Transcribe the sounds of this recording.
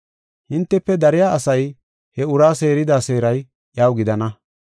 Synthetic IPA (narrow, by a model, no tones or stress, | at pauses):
hɪnt̪ːɛpːɛd̪ɐɾɪjaːɐsɐj | hɛʊɾaːse̞ːɾɪd̪aːse̞ːɾɐj | jaːwɡɪd̪ɐnɐ